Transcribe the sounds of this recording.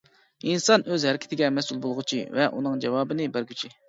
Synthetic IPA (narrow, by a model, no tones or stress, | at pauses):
insɑnøzhɛɾɪkʲʰɪt̪ʰɪɡʲɛmɛsulˠbolˠʁʊt͡ʃʰivɛʔunɨŋd͡ʒɛwɑːbɨnɪbæɾɡʲyt͡ʃʰi